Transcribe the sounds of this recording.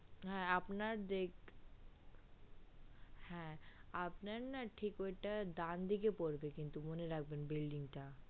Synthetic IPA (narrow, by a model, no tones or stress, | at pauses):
ɦɛ̃ɐpnad̪eːk | hɛ̃ɐpnɐnɐʈʰikeʈad̪ãːnd̪ikepoːɾbekɪ̃nt̪umuneɾɐk̚benbɪlɖɪ̃ŋɡt̪ʰa